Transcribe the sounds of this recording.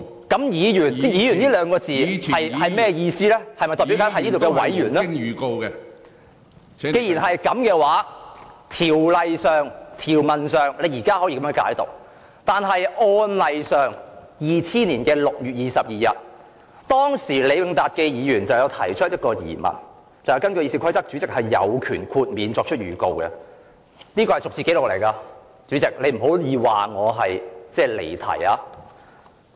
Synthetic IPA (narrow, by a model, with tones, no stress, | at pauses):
kɐ˨˥mjiː˨˧jyː˨˩n˥jiː˨˧jyː˨˩niː˥lœː˨˧ŋkɔː˧t͡siː˨ɐ˨jhɐ˨jmɛː˥jiː˧siː˥lɛː˥hɐ˨jmɐ˨˩jt̪ɔː˨˩pi˨˥kaː˦˥hniː˥t̪wkɛː˧wɐ̰˨˥jjyː˨˩nɛ˥˨ko˧wkɛ˧ | ke˧jiː˨˩nɦɐ˨jkɐ˨˥mkɛː˧waː˨˥t̪ʰiː˨˩wlɐ˨jsœː˨ŋt̪ʰiː˨˩wmɐ˨nsœː˨˩ŋle˨˧jiː˨˩kaː˥hɔː˨˥jiː˨kɐ˧mœː˧˥ŋka̰ː˨˥jt̪o̰˨˩k̚ | t̪aː˨nɦɐ˨jʔɔː˧nlɐ˨jsœː˨ŋ | jiː˨˩t͡sʰiː˥niː˨˩nkɛː˧lʊ˨k̚jyː˨t̚jiː˨sɐ˨p̚jiː˨jɐ˨t̚ | t̪ɔː˥ŋsiː˨˩le˨˧jwɪ˨˧ŋt̪aː˨t̚kɛː˧jiː˨˧jyː˨˩nt͡sɐ˨wjwt̪ʰɐ˨˩jt͡ʃʰɵ˥t̚jɐ˥t̚kɔː˧jḭː˨˩mɐ̰˨˩n | t͡sɐ˨wjɐ˧wkɐ˥nkøː˧jiː˧˥si˧kʷʰɐ˥jt͡sɐ˥k̚t͡sy˨˥t͡sɪ˨k̚hɐ˨jːɐ̰˨˧wkʰyː˨˩nkʰuː˧t̚miː˨˧nt͡sɔː˧k̚t͡ʃʰɵ˥t̚jyː˨˩ko˨wkɛ˧ | niː˥kɔː˧hɐ˨jt͡sʊ˨k̚t͡siː˨ke˨˥jlʊ˨k̚le˨˩jkaː˧ | t͡sy˨˥t͡sɪ˨k̚le˨˧jm̩˨˩ɦo˨˥wjiː˨˧waː˨ŋɔː˨˧ɦɐ˨jt͡sɛː˥˩lḛ˨˩jt̪ʰɐ̰˨˩jaː˧